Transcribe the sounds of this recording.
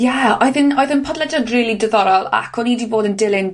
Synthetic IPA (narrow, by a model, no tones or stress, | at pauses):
jaɔɨðənoɨðənpʰɔdlˠɛdɔdriːlˠidəðɔɾɔlˠa̰kʰɔnidiboːdəndɪlˠɪn